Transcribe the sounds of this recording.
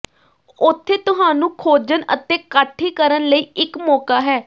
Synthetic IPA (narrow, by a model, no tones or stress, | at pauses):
ʊt̪ʰːeːt̪ʊɦaːnũːkʰoːd͡ʒənə̰t̪eːkəʈʰːiːkəɾənləiːɪkmɔːkaːɦɛː